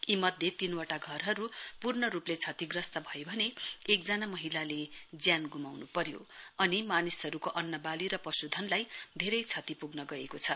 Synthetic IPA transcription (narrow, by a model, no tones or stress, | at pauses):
imʌd̪ʱjet̪inwaʈaɡʱʌrɦʌɾupurnʌɾuplet͡sʰʌt̪iɡrʌst̪ʌbʱʌjobʱʌneekd͡zanamʌɦilaled͡zjanɡumawnupʌɾjo̰ʌnimanisɦʌɾukoʔʌnːʌbaliɾʌpʌsud̪ʱʌnlajd̪ʱeɾʌjt͡sʰʌt̪ipuɡnʌɡʌekot͡sʰʌ